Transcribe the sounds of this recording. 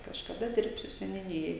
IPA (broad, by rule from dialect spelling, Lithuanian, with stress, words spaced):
kɐʃkɐˈdɐ ˈdʲɪrʲpʲsʲʊ sʲɛnʲʊˈnʲɪjoːj